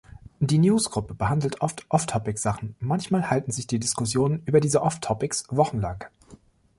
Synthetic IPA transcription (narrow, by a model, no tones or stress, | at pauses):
d̥iːnjuːsɡ̥ʁʊpəbəhandl̩tʔɔftʔɔftʰɔpɪkz̥aχn̩mançmaːlhaltn̩zɪçd̥iːdɪskʊsjoːnənʔyːbɐdiːzəʔɔftʰɔpɪksvɔχn̩laŋ